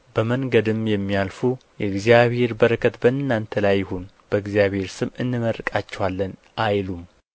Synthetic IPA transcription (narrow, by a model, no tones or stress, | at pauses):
bəməŋɡəd̪ɨmjɛmːialfujɛɨɡzijaβhe̞ɾbəɾəkʰət̪bəɨnːant̪ʰəlajːɪhon | b̥əɨɡzijaβhe̞ɾsɨmɨnːɨməɾkʼat͡ʃːɛwalːən | ʔajlum